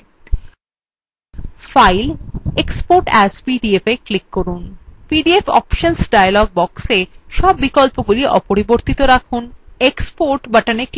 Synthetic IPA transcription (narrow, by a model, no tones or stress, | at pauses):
fajlekspoɾʈɛspiɖiefeklikːoɾunpiɖiefɔ̰pʃonsɖajalɔɡ̚bɔkseʃɔbːikɔlpoɡuliʔɔpoɾiboɾt̪it̪oɾakʰunekspoɾʈbaʈanek